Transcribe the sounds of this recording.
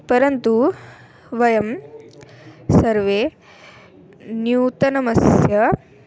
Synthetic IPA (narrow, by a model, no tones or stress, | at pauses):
pɐɾɐnt̪u | ʋɐjɐm | sɐɾʋeː | njuːt̪ɐnɐmɐsjɐ